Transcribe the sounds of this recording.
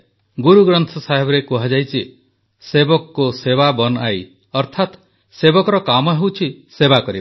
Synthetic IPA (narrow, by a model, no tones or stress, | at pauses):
ɡuɾuɡɾɔnt̪ʰɔsaɦebɔɾekuɦad͡ʒajt͡ʃʰi | sebɔkɔkuseβabɔnɔaj | ɔɾt̪ʰat̪ | sebɔkɔɾɔkamɔɦewt͡ʃʰisebakɔɾib